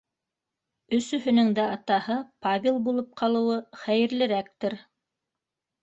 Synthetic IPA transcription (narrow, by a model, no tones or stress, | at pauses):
ɵ̆sɵ̆ɦɵ̆nɵŋd̪æɑt̪ɑhɤpavʲɪlˠbulˠɤp̚qʰɑlˠɤ̆wɤχæjɘ̆ɾlɘ̆ɾæk̚t̪ɘɾ